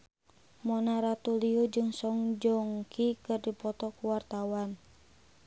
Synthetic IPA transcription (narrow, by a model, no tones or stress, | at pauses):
mɔnaɾat̪uliud͡ʒɨŋsɔŋd͡ʒɔŋkʰikɨrdipɔt̪ɔkuwart̪awan